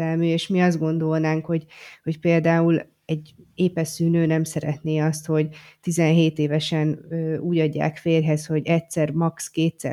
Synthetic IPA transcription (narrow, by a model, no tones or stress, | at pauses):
ɛlmyːeːʃmiɒzd̪̚ɡo̞nd̪o̞lnaːŋkho̞ɟho̞cpeːld̪aːul | ɛɟeːpɛsyːnøːnɛmsɛɾɛt̪neːɒst̪ho̞ɟt̪izɛnɦeːt̪eːvɛʃɛnøːuːɟɒɟːa̰ːkfeːrɦɛsho̞ɟɛctsɛrmɒkskeːt̪sɛ̰